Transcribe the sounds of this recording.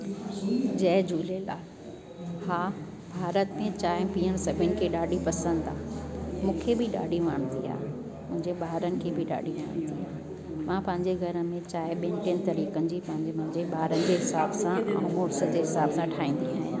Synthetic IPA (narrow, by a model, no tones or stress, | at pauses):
d͡ʑɐːɦd͡ʑuːlela̰ː | haː | bʱaːɾət̪mẽt͡ɕaːɪ̃piːəɽ̃sɐbʱənɪ̆kʰeɗaːɖipɐsə̃nd̪aːmũːkʰebʱɪɗa̰ːɖiʋəːɽ̃t̪ia̰ː | mʊ̃ɦɪ̃ɲd͡ʑeɓaːɾənɪ̆kʰebʱɪɗa̰ːɖʱiʋə̰ːɽ̃t̪iaː | mãpɐ̃ɦɪ̃ɲd͡ʑeɡʱɐɾəmẽt͡ɕaːɪɓɪnʈẽnt̪ɐɾiːkənd͡ʑipɐ̃ɦɪ̃ɲd͡ʑemʊ̃ɦɪ̃ɲd͡ʑeɓaːɾənɪd͡ʑeɦɪsaːbsãʔa̰ːmoːɾsəd͡ʑeɦɪsaːbsãʈʰaːĩːn̆d̪iaːɦɪ̃